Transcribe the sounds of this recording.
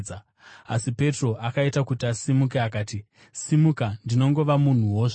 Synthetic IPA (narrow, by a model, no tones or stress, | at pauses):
a | a̰sipe̞tro̞ʔakaitakutiasimukeakaːti | simukandino̞ŋɡo̞ʋamun̤uwoːʐ